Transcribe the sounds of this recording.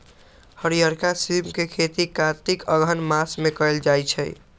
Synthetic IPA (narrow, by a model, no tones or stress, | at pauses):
həɾijəɾkasimkekʰet̪ikãt̪ikəɡʱənmasmekəeld͡ʒajt͡ʃʰɛ̰j